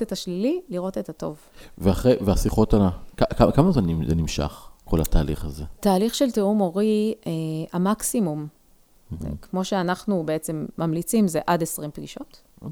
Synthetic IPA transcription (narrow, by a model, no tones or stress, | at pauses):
tetaʃlililiʁo̞te̞tato̞̰vveaχʁeveasiχo̞talakakakamazmanḭnimʃa̰χkʰo̰lataːlḭχazetaːliχʃelteumo̞ʁieamaksimum̰ | kmo̞ʃeanaχnubeet͡se̞mːamlit͡simzeʔadesʁimpɡiʃo̞t | o